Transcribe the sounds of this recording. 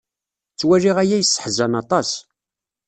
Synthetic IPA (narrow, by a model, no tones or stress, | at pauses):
t͡sːwæriʁæjæjəsˤːə̥ħzænɑt̪ˤɑs